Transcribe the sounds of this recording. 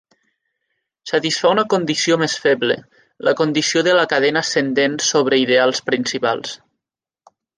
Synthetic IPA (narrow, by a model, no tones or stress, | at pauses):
sət̪isfaunəkond̪isiomesfɛβlḛ | ləkond̪isioðələkaðɛnasend̪ensoβ̞ɾeiðealˠspɾinsipa̰lˠs